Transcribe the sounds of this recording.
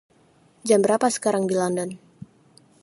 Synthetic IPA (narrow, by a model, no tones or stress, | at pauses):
d͡ʒambəɾapasə̥kaɾaŋdilɔndɔn